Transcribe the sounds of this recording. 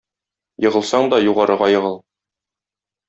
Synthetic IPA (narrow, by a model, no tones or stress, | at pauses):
jɤ̆ʁɤ̆lˠsɑɴd̪ɒjuʁɑɾɤ̆ʁɑjɤ̆ʁɤlˠ